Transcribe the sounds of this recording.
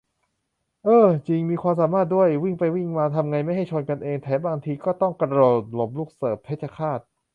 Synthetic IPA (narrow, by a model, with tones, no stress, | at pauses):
ʔɤː˧t͡ɕi˧ŋmiː˧kʰwaː˧ms̬aː˩˦maː˥˩t̪̚du˥˩əjwi˥˩ŋpa˧jwi˥˩ŋmaː˧t̪ʰa˧mŋa˧jma˥˩jɦa˥˩jt͡ɕʰo˧nka˧nʔeː˧ŋt̪ʰɛː˩˦˥baː˧ŋt̪ʰiː˧kɔː˥˩t̪ɔ˥˩ŋkɾa˧ɾoː˧˩t̪lo˨˩p̚luː˥˩k̚sɤː˨˩p̚ʰe˦˥t̪̚t͡ɕʰa˧kʰaː˥˩t̪̚